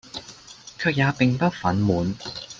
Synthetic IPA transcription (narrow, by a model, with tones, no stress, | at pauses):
kʰœː˧k̚jaː˨˧pɪ˨ŋpɐ˥t̚fɐ˨˥nmuː˨˧n